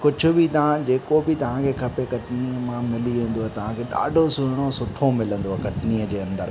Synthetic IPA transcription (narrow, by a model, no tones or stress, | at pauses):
kʊd͡ʑʱʊ̆bʱɪt̪ɐãd͡ʑeːkobɪt̪ɐʋ̤ãkʰeːkʰɐpekɐʈɪniəmãmɪliʋẽːn̆d̪oːɛt̪ɐʋ̤ãkʰeɗa̰ːɖʱosʊɦɪɽ̃osʊʈʰomɪlə̃nd̪oɦɛkɐʈniːəd͡ʑeːɐ̃nd̪əɾ